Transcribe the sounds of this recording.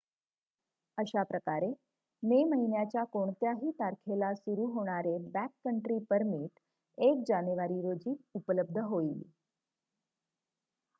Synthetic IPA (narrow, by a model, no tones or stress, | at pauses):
əɕapɾəkaɾe | meməɦinjat͡ɕjakoɳ̃t̪jaɦiːt̪aɾkʰelasuɾuɦoɽ̃aɾebækːəɳʈɾiːpəɾmiːʈ | ek̚d͡ʑanjuʋaɾiɾod͡ʑiːt̪upələb̚d̪ʱəɦoil